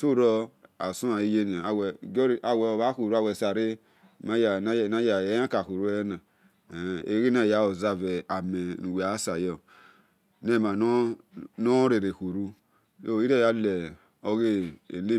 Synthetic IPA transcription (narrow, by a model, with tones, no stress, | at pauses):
so˦ɾɔ˦a˨su˦a˨i˦je˦n˨a˨wɡɾa˨wɛ˨βa˨˦ku˨ɾu˦a˨wɛ˨sa˨ɾe˦˨ | ma˦ja˨na˦˨na˦ja˨e˦ã˦ka˨ku˨ɾu˦na˨ | ḛ˦ɾi˦na˦˨ja˦o˨za˦˨vɛ˨a˨me˨nu˨we˨a˨˦sa˨jɔ˨ | ne˦˨ma˨n˦no˦ɾe˨ɾe˨ku˨ɾu˦ | jo˦˨i˦ɾe˦˨ja˦lɛ˨ | o˦ɡe˦ḛ˨ne˦